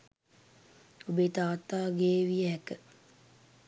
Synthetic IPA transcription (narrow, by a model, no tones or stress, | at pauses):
obet̪aːt̪aːɡeːʋijəɦɛkə